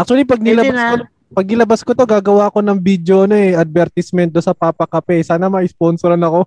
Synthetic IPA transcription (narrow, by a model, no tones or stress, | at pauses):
ʔɐk̚t͡ʃ̪ʊɐlipɐɡ̚nɪlɐbasko | pɐɡ̚nɪlɐbaskot̪o̞ɡaːɡɐwaːɐko̞nɐŋbid̪joʔɐno̞ɛʔɐd̪̚bɛɾt̪ɪsmɛn̚d̪onsɐpaːpɐkɐpɛsaːnɐmɐʔɪsponsoɾɐnɐko̞